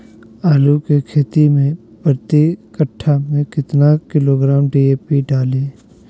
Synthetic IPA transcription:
aːlukekʰeːt̪imẽ | pəɾt̪ikəʈʰːamẽkɪt̪nakɪloɡɾaːmɖiːeːpiɖaːlẽː

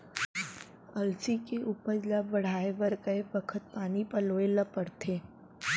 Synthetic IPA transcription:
ɐlsikeʔuːpəɾlabʋɐɽ̤aːeʋəɾkəebəkʰət̪̚paːnipəloːelɐpəɽt̪ʰeː

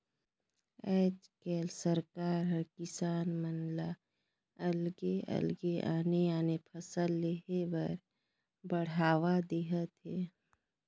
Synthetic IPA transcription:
ɛːt͡ʃkɛːlsəɾkaːɾɦɐɾkɪsaːnmənla | ɐlɡeɐ̰lɡeʔaːneaːnepʰəsəlːeɦebəɾ | bəɽ̤aːʋad̪eːɦət̪ɦɛː

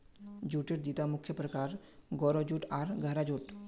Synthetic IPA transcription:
d͡ʒuːʈeʈ̚d̪it̪amʊkʰjəpɾəkaːɾ | ɡɔːɾod͡ʒuʈaːɾɡʱəɦɾad͡ʒuʈ

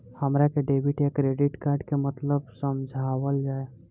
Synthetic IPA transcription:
həmɾakeɖeːbʱiʈjekɾeɖɪʈkaːɾɖkemət̪ləbsəmd͡ʒʱawəld͡ʒaːe

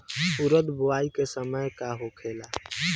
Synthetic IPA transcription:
ʊɾəd̪bʱoaːikesəməjkaɦokʰeːla

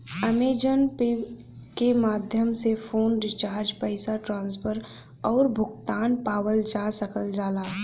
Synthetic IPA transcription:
əmeːd͡ʒənpi | kemaːd̪ʱjəmsefʰoːnɖɪt͡ʃaːɾd͡ʒpəɪsaʈɾãːnspʰəɾ | ɔːɾbʱʊɡt̪aːnpaːwəld͡ʒasəkəld͡ʒaːlaː

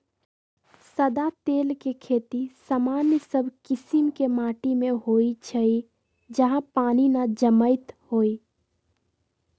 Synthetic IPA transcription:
səd̪at̪eːlkekʰeːt̪isamaːnjəsəbʱkɪsɪmkemaːʈimẽɦoːit͡ʃʰəi | d͡ʒəɦãpaːninad͡ʒəməɪt̪hoːi

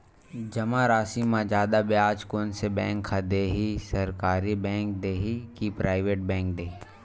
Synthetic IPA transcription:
d͡ʒɐmaɾaːsimãd͡ʒaːd̪abjaːd͡ʒkoːnsebɛ̃ːŋkʰːad̪eːɦisɐɾkaːɾibɛ̃ːŋk̚d̪eːɦikipɾʔaːɪʋeːʈ̚bɛ̃ːŋk̚d̪eːɦi

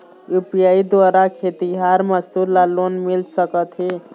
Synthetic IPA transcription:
upjaid̪ʋaɾakʰet̪iɦaɾməst̪uɾlalonmilsəkət̪ɦe

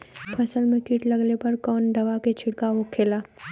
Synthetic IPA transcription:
pʰɐsəlmẽkiːʈlɐɡlepɐɾkɔːnd̪ɐʋaket͡ʃʰɪɽkaɦokʰeːlaː

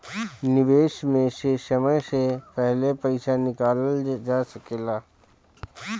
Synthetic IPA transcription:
nɪʋeːʃmẽʃeːʃəməjsepɛɦlepɐɪʃanɪkaːləld͡ʒaːsəkeːlaː

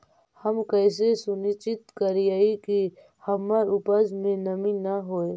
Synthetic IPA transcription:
həmkəɪs̬esʊnɪt͡ʃɪt̪kəɾiaiki | həmːaɾʊpəzmẽnəminaɦoːe

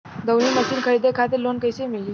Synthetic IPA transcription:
d̪əwliːməɕiːnkʰəɾid̪ekʰat̪̬iɾlonkəjsemili

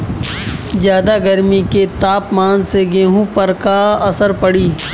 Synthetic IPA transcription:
zjaːd̪aɡəɾmiket̪aːpmaːnseɡeːɦũpɐɾkaɐsəɾpɐɽiː

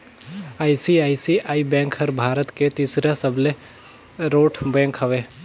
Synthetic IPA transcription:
aːisiaːisiʔaːibɛ̃ːŋkhəɾbʱaːɾət̪ket̪iːsɾasəble | ɾoːʈʰbɛ̃ːŋkɦəʋeː

